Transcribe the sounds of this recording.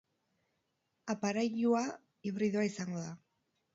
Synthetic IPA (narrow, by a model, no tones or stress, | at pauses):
apaɾajʎua | iβɾiðuaisaŋɡo̞ða